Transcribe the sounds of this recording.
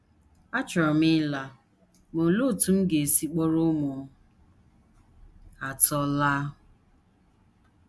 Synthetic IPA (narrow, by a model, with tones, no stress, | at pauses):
a˦t͡ʃɔ˨ɾɔ˨mɪ˦la˦ | mo˨lo˦˨tu˦m̩˦ɡe˨e˨si˨k͡pɔ˦ɾo˦mʊ˨˦ | a˨tɔ˦la˦